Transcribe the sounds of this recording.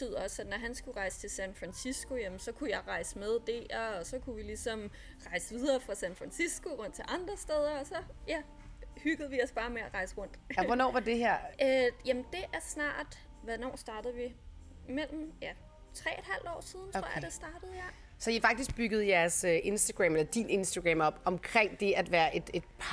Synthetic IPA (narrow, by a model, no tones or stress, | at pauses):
et͡sʰy̰ð̰ˠɐɒ̽sæ̥nɒɦænsɡ̥uʁɑ̈ɪsə̥t͡sʰe̝lsænfʁænsisɡ̥o̝jæmn̩sɒ̽kʰujɑ̈ɪʁɑ̈ɪsəmeð̞ˠd̥e̝ɐ̽ːsɒ̽kʰuʋilisɒ̽m | ʁɑ̈ɪsəʋið̞ˠɐːfʁɑ̈sænfʁɑnsisɡ̥o̝ʁɔ̽n̰d̥t͡sʰe̝ʔɑ̈nd̥ʁɐsd̥eð̞ˠɐɒ̽sɒ̽jæ | hyɡ̥əð̞̩ˠʋiɒ̽sb̥ɑ̈ːmeæʁɑ̈ɪsəʁɔ̽n̰d̥ʋɒnɒ̰ːʋɑ̈d̥e̝ɦeɐ̰jæmnd̥e̝ʔæɐsnɑ̰̈ːd̥ | ʋænɒ̰ːsd̥ɑ̈ːd̥ð̩ˠʋi | mel̰m̩jæ | t͡sʰʁɛ̰ːed̥hæl̰d̥ɒ̰ːsið̞ˠnt͡sʰʁo̰ɐdesd̥ɑ̈ːd̥əð̩ˠja | sɒifɑ̈ɡ̥d̥isɡ̥̚b̥yɡ̥ð̞̩ˠjæɐsøʔe̝nsd̥æɡ̥ʁæmelɐd̥ine̝nsd̥æɡ̥ʁɛmɒ̽b̥ɒ̽mkʰʁeŋ̰d̥e̝æd̥ʋæːɐʔe̝d̥e̝d̥pʰ